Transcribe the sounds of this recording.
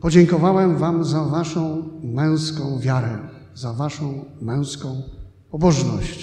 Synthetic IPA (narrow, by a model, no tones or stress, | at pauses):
pɔd͡ʑɛŋkɔvawɛmvamzavaʂɔ̃w̃mɛ̃w̃skɔ̃w̃vʲjaɾɛ | zavaʂɔ̃w̃mɛ̃w̃skɔ̃w̃ | pɔbɔʐnɔ̰ɕt͡ɕ